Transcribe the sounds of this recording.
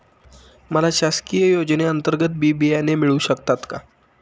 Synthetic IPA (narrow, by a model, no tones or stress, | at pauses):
məlaɕaskijəjod͡ʑneənt̪əɾɡət̪̚bibiajnemiɭuːɕəkt̪at̪ka